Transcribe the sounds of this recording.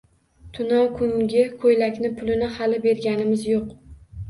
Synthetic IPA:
t̪ʰʊnawkʰʊŋɡʲɪkʰojlakʲnɪpʰʊlɪnɪhalɪbe̞ɾɡʲanɪmɪzjoq

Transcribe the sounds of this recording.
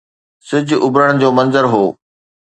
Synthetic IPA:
sɪd͡ʑʊbɾəɽ̃̆d͡ʑoːmɐ̃nzəɾɦoː

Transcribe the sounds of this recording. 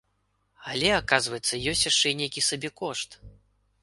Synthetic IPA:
alʲɛakazvɐjɛt̪sːɐjɔsʲt͡sʲjaʂt͡ʂɛnʲejkʲisabʲɛkɔʂt̪

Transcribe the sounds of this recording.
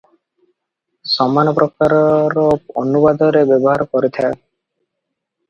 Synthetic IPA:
sɔmanɔpɾɔkaɾɔɾɔɔnubad̪ɔɾebjɔbɔɦaɾɔkɔɾit̪ʰa

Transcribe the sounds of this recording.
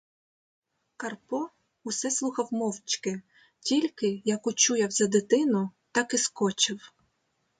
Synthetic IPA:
kɐrpɔ | ʊsɛslˠuxɐwmɔwt͡ʃkɪ | tʲilʲkɪjɐkʊt͡ʃujɐwzɐd̪ɪt̪ɪnʊt̪ɑkɪskɔt͡ʃɪw

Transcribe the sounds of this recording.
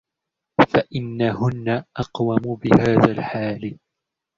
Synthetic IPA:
faʔɪnːahʊnːaʔɑqwamʊbɪhaːðaːlħaːl

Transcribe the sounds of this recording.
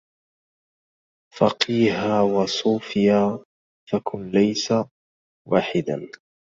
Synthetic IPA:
fɑqiːɦawɑsˤuːfɪjaː | fakʊnlajsa | waːħɪd̪a̰

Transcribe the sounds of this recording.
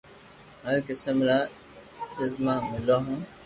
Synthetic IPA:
ɦəɾkəsəmɾaː | ɪzmãːmɪloːɦãː

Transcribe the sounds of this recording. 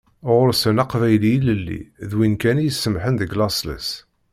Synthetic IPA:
ʁʊɾsənɑqvæjliiləlːḭðwinkænjəsːəmħənðəɡlɑslə̰s

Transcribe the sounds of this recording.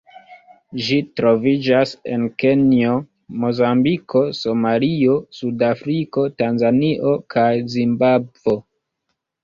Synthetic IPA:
ʒitɾo̞vid͡ʒase̞̰nke̞nio | mo̞zambikʰo̞so̞malio̞sudafɾiko̞tanzaniʔo̞kʰajzimbabvwo̞

